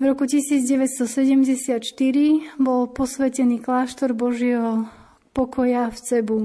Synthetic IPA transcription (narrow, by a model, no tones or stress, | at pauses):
vɾɔkucisiːd͡zɟɛʋɛt̪st̪ɔsɛɟɛmɟɛsɪat̪ʃt̪iɾibɔlpɔsʋɛcɛniːklaːʃt̪ɔɾbɔʒɪɛɦɔ | pɔkɔjaft͡sɛbu